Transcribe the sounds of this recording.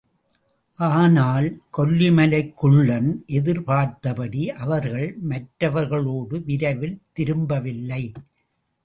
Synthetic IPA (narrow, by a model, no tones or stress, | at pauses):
ʔaːnaːlkɔlːɪmɐlɐɪkːɯɭːɐnʔɛðɪɾpaːɾt̪ɐpɐɽiʔɐʋɐɾɣɐɭmɐʈɾɐʋɐɾɣɐɭoːɽɯʋɪɾɐʋɪlt̪ɪɾɯmbɐʋɪlːɐɪ